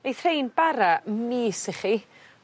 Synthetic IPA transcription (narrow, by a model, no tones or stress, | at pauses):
ejθrejnbaɾamiːsɪχi